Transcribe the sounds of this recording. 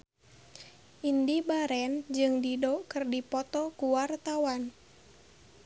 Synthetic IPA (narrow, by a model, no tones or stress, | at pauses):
ʔindibaɾɛnd͡ʒɨŋdidɔkɨrdipɔt̪ɔkuwart̪awan